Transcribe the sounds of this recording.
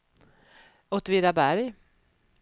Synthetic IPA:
ɔt̪viːɾabæɾj

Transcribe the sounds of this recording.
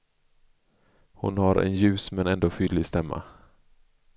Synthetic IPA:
hʊ̰nhaɾɛ̰njʉ̟ːsmɛnɛnd̪oːfʏːlɪɡst̪ɛmːa̰

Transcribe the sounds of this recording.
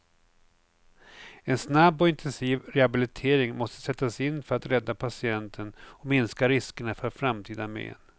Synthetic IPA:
ɛnsnabːɔɪnt̪ʰɛnsiːvɾɛhabɪlɪt̪ʰeːɾɪŋmɔst̪ə̥sɛt̪ːasɪnːfœɾat̪ɾɛd̪ːapʰasɪɛnt̪ʰənɔmɪnskaɾɪskəɳafœɾfɾamt̪ʰiːd̪amḛn

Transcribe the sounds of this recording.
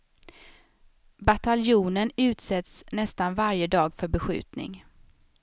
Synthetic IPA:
bat̪aljuːnənʉ̟ːt̪sɛt̪snɛst̪anvaɾjəd̪ɑːɡfœɾbɛɧʉ̟̰ːt̪nɪ̰ŋ

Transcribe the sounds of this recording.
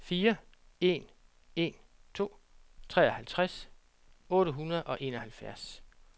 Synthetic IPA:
fiːɐ | e̝̰n | e̝n | t͡sʰo̝̰ːt͡sʰʁɛ̰ːɒ̽hælt͡sʰʁas | ɔ̽ːɾəɦunɐð̞̩ˠʔɒ̽ʔe̝ːnɒ̽hælfjæɐ̰s

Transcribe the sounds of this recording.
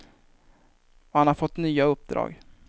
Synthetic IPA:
ɔhanhaɾfɔt̪ːnyːaɵpːd̪ɾɑ̰ːɡ

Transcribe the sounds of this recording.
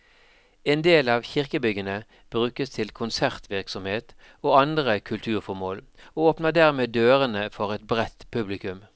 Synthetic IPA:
eːnd̪eːlɑːʋçɪʁkəbʏɡənə | b̥ʁʉːkəst̪ʰɪlkʰʊnsæʁt̪ʋɪʁksɔmheːt̪ | oːɑnd̪ʁəkʰʉlt̪ʰʉːʁfɔʁmoːl | oːoːpnəd̪æʁmeːd̪øːʁənəfɔʁɛt̪bʁɛt̪ːpʰʉblɪkʉm

